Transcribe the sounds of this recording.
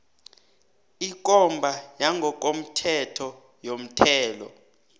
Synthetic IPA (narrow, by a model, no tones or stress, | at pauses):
ik̬ʼɔmbʱajaŋʱɔk̬om̩tʰɛtʰɔ | jom̩tʰɛːlɔ̰